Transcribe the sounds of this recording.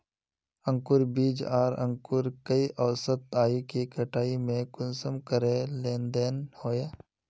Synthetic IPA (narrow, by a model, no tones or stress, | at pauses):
ə̃ŋkʊɾbiːd͡ʒaːɾə̰̃ŋkʊɾkəiʔəʋsət̪aːikikəʈaːimẽkʊnsəmkəɾeleːnd̪enhoːjaː